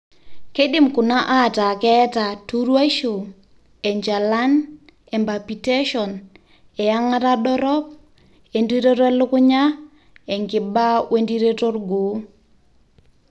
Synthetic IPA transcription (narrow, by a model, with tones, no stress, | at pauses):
ke˦dɪ˦˨mkʊ˨na˦ʔa˦˨ta˨kɛ˦ta˨tu˦ɾwa˦ʃo˨ | ɛ˨ɲd͡ʒa˨la˦n | ɛ˨mba˨pi˨te˦ʃɔ˨n | ɛ˨ja˦ŋa˦ta˦ɗɔ˦ɾɔ˦p̚ | e˨ndi˦ɾe˦tɛ˦lʊ˦kʊ˦ɲa˦ | ɛ˨ŋɡɪ˨ba˦wʔe˦ndi˦ɾe˦to˦rɡo˨˦